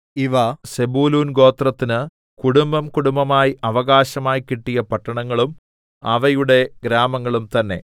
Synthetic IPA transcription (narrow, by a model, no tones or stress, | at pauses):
iʋɐsebuːluːnɡo̞ːt̪rɐt̪ːinɨ | kuɽumbɐmkuɽumbɐmaːjiʔɐʋɐɣaːɕɐmaːjikiʈːijɐpɐʈːɐɳɐŋːɐɭum | ɐʋɐjuɽe̞ɡɾaːmɐŋːɐɭumt̪ɐnːe̞̰